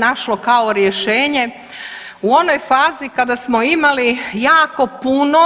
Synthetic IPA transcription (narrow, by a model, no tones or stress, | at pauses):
naʃlokaoɾjeʃeːɲe̞ | uo̞nojfaːzikad̪asmoimalijaːko̞puno